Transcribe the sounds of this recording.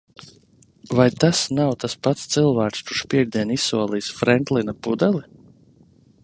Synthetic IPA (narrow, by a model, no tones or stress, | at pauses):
vajt̪asnawt̪aspat̪st̪sɨlˠvæːkst̪uʃpʲiɛɡd̪iɛnisːuɔlˠiːsfɾɛnt̪linapud̪ɛlˠi